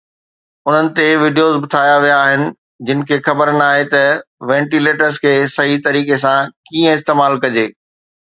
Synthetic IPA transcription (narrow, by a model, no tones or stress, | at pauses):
ʊn̤ənɪ̆t̪eʋiɖijozbʊt̪ʰaːjaʋijaːɦɪnɪ̆ | d͡ʑɪnɪ̆kʰeːxɐbəɾnaːɦet̪ɐʋɛ̃ːɳʈileːʈəɾzkʰeːsɐɦit̪ɐɾiːkesãkĩːə̃ɪst̪eːmaːlkɐd͡ʑeː